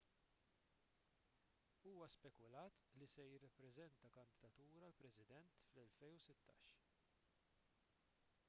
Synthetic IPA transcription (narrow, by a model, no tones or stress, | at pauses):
uːwɐspɛkʊlɐːt̪lisɛjɪrːɐpːɾɛzɛnt̪ɐkɐnd̪ɪd̪ɐt̪uːɾɐlpɾɛsɪd̪ɛnt̪flɛlfɛjnusɪt̪ːɐ̰ːʃ